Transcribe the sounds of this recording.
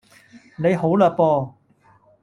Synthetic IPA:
ne˨˧jɦo˨˥wlœː˨˧k̚pɔː˧

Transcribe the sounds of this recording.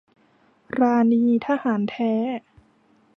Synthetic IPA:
ɾaː˧niː˧t̪ʰaː˧haː˩˦nt̪ʰɛː˦˥

